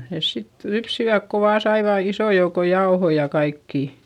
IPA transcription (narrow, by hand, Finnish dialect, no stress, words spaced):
neˑs sit lypsiʋæk ko ʋɑː sɑiʋɑˑ isoˑ jouko jɑohoi jɑ kɑikːiˑ